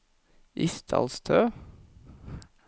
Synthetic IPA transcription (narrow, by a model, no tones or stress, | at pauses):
ʔɪst̪ʰɑ̰lst̪ʰøː